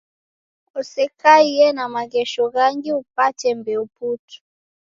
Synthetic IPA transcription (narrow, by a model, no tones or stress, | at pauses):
usɛkaijɛnamaɣɛʃɔɣaŋɡiup̚atɛmbɛuputi̥